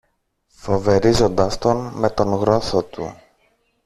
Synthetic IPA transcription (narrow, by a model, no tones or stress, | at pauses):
fo̞ve̞ɾizo̞nd̪ɐst̪o̞nme̞t̪o̞nɣɾo̞sot̪ṵ